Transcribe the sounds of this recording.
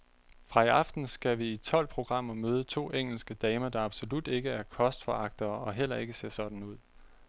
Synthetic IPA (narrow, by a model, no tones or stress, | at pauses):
fʁɑ̈iɑ̈fd̥n̩sɡ̥æʋiit͡sʰɒ̽l̰pʰʁo̝ɡ̥ʁɑ̈m̰ɐmøːð̞ˠət͡sʰo̝̰ːʔeŋ̰l̩sɡ̥əd̥ɛːməd̥ɑ̈ɑ̈b̥so̝lud̥e̝ɡ̥əæɐkʰɒ̽sd̥fɒɑ̈ɡ̥̚d̥ɐːɒ̽ɦel̰ɐe̝ɡ̥əse̝ɐ̰sɒ̽d̥n̩uð̰ˠ